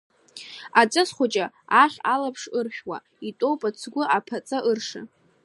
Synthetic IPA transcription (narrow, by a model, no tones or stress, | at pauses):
at͡sʼasχʷʊt͡ʃʼa | aχʲalapʰʂɨrχʲᶣwa̰ | itʷʼowpʼat͡sʰɡʷʊʔapʰat͡sʼaʔɨrʂɨ̰